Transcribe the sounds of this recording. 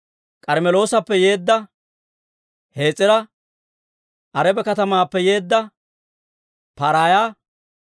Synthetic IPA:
kʼɐɾmɛlo̞ːsɐpːɛje̞ːd̪ːɐ | he̞ːt͡sʼːɪɾɐ | ʔɐɾɛbɛkɐt̪ɐmaːpːɛje̞ːd̪ːɐ | pɐɾaːja

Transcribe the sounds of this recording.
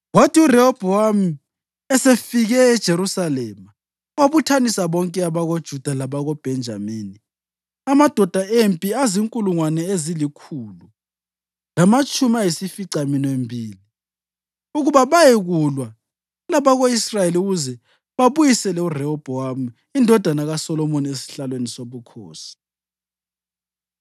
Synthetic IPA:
watʰiurɛɔb̥ʱɔam̩ | ɛsefiɣɛːd̥ʒ̥ʱeɾusalɛma | waβutʰanisaβɔŋkʼɛaβaɣod̥ʒ̥ʱud̥ʱalaβaɣɔb̥ʱɛnd͡ʒʱa̰miːni | amad̥ʱɔd̥ʱaempʼiaziŋkʼuluŋwanɛezilikʰuːlu | lamat͡ʃʼumajisifiǀaminembʱiːli | uɣuβaβajeɣulwa | laβaɣoisrajeliuɣuzɛ | βaβujisɛlɛurɛɔb̥ʱɔamu | indʱɔd̥ʱanaɣasɔlɔmoniesi̥ɬalwenisoβukʰo̰ːsi̥

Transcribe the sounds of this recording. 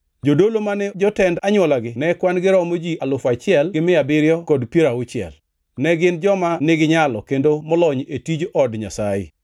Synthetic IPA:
d͡ʒodolomanɛd͡ʒɔtɛndaɲwɔlaɡɪnɛkwanɡɪɾɔmod͡ʒialʊfat͡ʃɪɛlɡɪmɪabɪɾjɔkɔdpiɾaʊt͡ʃɪɛ̰l | nɛɡɪnd͡ʒɔmanɪɡɪɲalɔ̰kendomɔlɔɲetid͡ʒɔdɲa̰sajɪ̰

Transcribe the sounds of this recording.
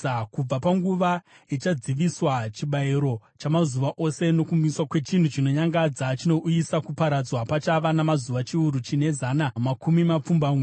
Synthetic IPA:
kub͡vapaŋɡuʋa | it͡ʃad͡ziʋiswat͡ʃiɓaiɾo̞t͡ʃamazuʋaʔo̞se̞no̞kumuiswakwe̞t͡ʃin̤ut͡ʃino̞ɲaŋɡad͡zat͡ʃino̞ʔujisakupaɾad͡zwapat͡ʃaʋanamazuʋat͡ʃiuɾut͡ʃine̞zaːnamakumimap͡fumbamwi

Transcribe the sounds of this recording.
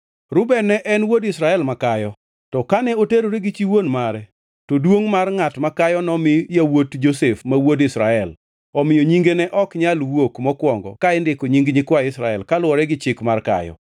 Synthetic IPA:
ɾʊbɛnɛʔɛnwodɪsɾaɛlmakajɔ | tɔkanɛoteɾoɾeɡɪt͡ʃiwonmaɾɛ | todwoŋmarŋatmakajɔnɔmɪjawotd͡ʒosefmawodɪsɾaɛl | ɔmɪjoɲiŋɡenɛʔɔkɲalwokmɔkwɔŋɡɔ̰kaɪndɪkoɲiŋɡɲɪkwaɪsɾaɛlkalʊɔɾɛɡɪt͡ʃɪkmarka̰jɔ̰

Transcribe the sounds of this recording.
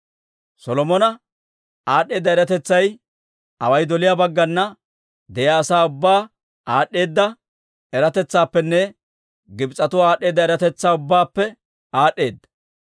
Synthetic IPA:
sɔlɔmɔnɐ | aːɗe̞ːd̪ːɐɛɾɐt̪ɛt͡sːɐj | ɐ̰wɐjd̪ɔlɪjabɐɡːɐnːɐ | d̪ɛjaːsaːʊbːaː | aːɗːe̞ːd̪ːɐ | ɛɾɐt̪ɛt͡sːaːpːɛnːɛ | ɡɪbt͡sʼːɐt̪ʊaːɗe̞ːd̪ːɐɛɾɐt̪ɛt͡sːaːʊbːaːpːɛ | aːɗːe̞ːd̪ːɐ̥

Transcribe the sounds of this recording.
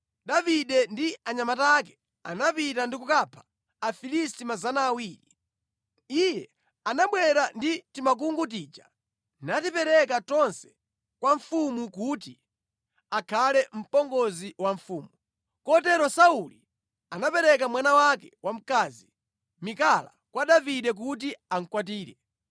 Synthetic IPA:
ɗaviɗɛndiaɲamatakɛ̥ | a̰napitandikukapʰḁː | filistimazanaːwiːɾi | ijɛ | anaɓwɛɾanditimak̬uŋɡut̬iːt͡ʃa | natipɛɾɛkat͡ʃɔnsɛ̥ | kwaɱfumukuti | akʰalɛm̩pɔŋɡɔziwaɱfuːmu | kɔtɛɾɔsauli | anapɛɾɛk̬amwanawakɛwʔam̩kazi | mikala̰kwaɗaviɗɛk̬ut̬iaŋ̩kwat̬iːɾɛ

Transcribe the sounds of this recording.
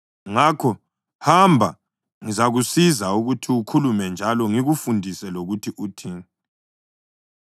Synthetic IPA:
ŋakʰɔ | hambʱa̰ | ŋizaɣusizauɣutʰiukʰulumɛnd͡ʒʱalɔŋiɣufundʱisɛloɣutʰiʔutʰiːŋɛ

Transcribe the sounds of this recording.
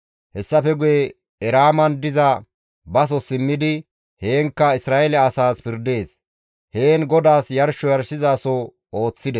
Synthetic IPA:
hɛsːɐfɛɡʊjɛ | ɛɾaːmɐnd̪ɪzɐ | bɐs̬ɔsɪmːɪd̪ɪ | he̞ːŋkːɐɪsɾaːʔɛlɛɐsaːspɪɾd̪e̞ːs | he̞ːnɡɔd̪aːsjɐɾʃɔjɐɾʃɪzaːsɔ | o̞ːt͡sːɪd̪ɛ

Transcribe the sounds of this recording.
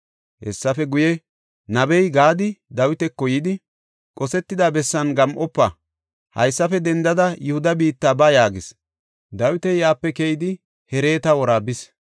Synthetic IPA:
hɛ̰sːɐfɛɡʊjɛ | nɐbɛjɡaːd̪ɪd̪ɐwɪt̪ɛkːɔjɪd̪ɪ | kʼɔsɛt̪ːɪd̪abɛsːɐnɡɐmʔɔpːɐ | hɐ̰jsːɐfɛd̪ɛnd̪ɐd̪ɐjʊhʊd̪ɐbiːt̪ːaːbɐjaːɡɪs | d̪ɐwɪt̪ɛjaːpːɛkejɪd̪ɪ | hɛɾe̞ːt̪ɐwɔɾaːbɪs

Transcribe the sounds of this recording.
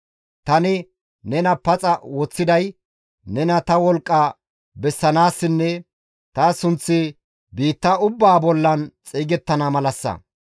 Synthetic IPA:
t̪ɐnɪ | nɛnɐpɐt͡sʼɐwɔt͡sːɪd̪ɐj | nɛnɐt̪ɐwɔlkʼːɐ | bɛsːɐnaːsːɪnːɛ | t̪ɐsʊnt͡sːɪ | biːt̪ːɐʊbːaːbɔlːɐnt͡sʼiːɡɛt̪ːɐnɐmɐlɐsːɐ̰

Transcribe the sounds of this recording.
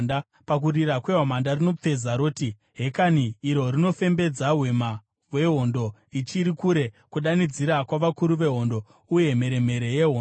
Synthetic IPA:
nda | pak̬urirakwe̞ɦamandarino̞p͡fe̞zaɾo̞ːti | ɦe̞kaniːɾo̞rino̞fe̞mbe̞d͡zaɦwe̞ma | we̞ɦo̞ndo̞it͡ʃiɾikuɾe̞ | kuɗanid͡ziɾakwaʋakuɾuʋe̞ɦo̞ndo̞ | uje̞m̤e̞ɾe̞me̞ɾe̞jeɦo

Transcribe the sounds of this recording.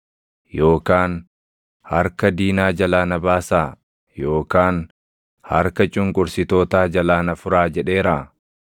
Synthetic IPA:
jo̞ːkaːn | hɐɾkɐd̪iːnaːd͡ʒɐlaːnɐbaːsaː | jo̞ːkaːn | hɐɾkɐt͡ʃʼʊŋkʼʊɾsɪt̪oːt̪aːd͡ʒɐlaːnɐfʊɾaːd͡ʒɛᶑe̞ːɾaː

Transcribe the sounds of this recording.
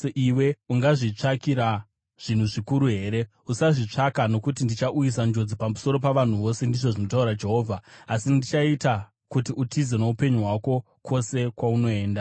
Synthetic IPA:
eʔiweuŋɡaʐit͡ʂakiɾa | ʐ̥in̤uʐikuɾuɦe̞ːɾe̞ | usaʐit͡ʂakano̞kut̬indit͡ʃaʔujisand͡ʒo̞d͡zipamuso̞ɾo̞paʋan̤uʋo̞se̞ndiʐo̞ʐino̞tauɾad͡ʒe̞ɦo̞ːvʱaːsindit͡ʃaita | kutiutʰizeneupe̞ɲuɦwako̞ | kʰo̞se̞kwauno̞e̞ːnda

